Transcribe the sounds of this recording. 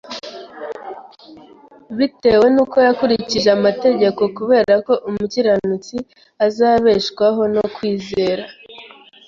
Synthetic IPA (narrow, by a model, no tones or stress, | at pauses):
βite̞we̞nuːkojakuɾiciʒeamate̞ɟe̞ko̞kuβe̞ːɾako̞ʔumuciɾanut͡si | azaːβe̞ʃkwaɦo̞no̞kwiːze̞ːɾa